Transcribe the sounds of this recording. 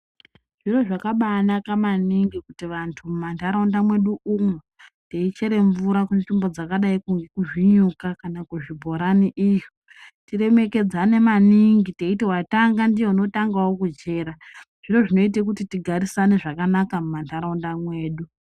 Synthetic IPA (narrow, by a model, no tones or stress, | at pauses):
ʐ̥iro̞ʐakaɓanakamaniŋɡikutiʋantʰumumantaɾaundamwe̞ɗuume | teit͡ʃe̞ɾe̞ɱvuɾakunʐimbo̞d͡zakaɗaikuŋɡekuʐiɲukakanakuʐibʱo̞ɾaniʔiʐo | tire̞me̞ke̞d͡zane̞maniŋɡite̞itewataŋɡandieuno̞taŋɡawo̞kud͡ʒe̞ːɾa | ʐ̥iro̞ʐino̞it̬ek̬utitiɡʱaɾisane̞ʐakanakamumantʰaɾaundamwe̞ːɗu